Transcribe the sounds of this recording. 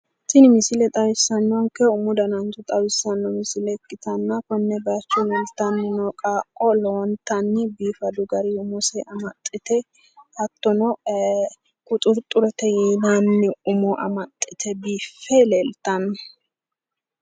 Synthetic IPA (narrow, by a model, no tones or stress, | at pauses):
sɪnɪmɪsɪlɛt̪ʼɐwɪsːɐnːɔŋkɛʊmʊd̪ɐnɐnt͡ʃʊt̪ʼɐwɪsːɐnːɔmɪsɪlɛkːɪt̪ɐnːɐkɔnːɛbɐt͡ʃːʊlɛlt̪ɐnːɪnɔkʼaːkʼːɔlont̪ːɐnːɪbiːfɐd̪ʊɡɐɾiʊmʊsɛʔɐmɐt̪ʼːɪt̪ɛ | hɐt̪ːɔnɔ | kʊt̪ʼʊɾt̪ʼʊɾɛt̪ɛjiːnɐnːɪʊmɔʔɐ̰mɐt̪ʼːɪt̪ʰɛbiːfːɛlelt̪ɐn